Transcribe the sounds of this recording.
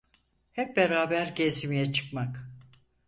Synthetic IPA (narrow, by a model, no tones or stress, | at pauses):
hɛp̚beɾaːbæɾɟezimijɛt͡ʃʰɯ̥kmak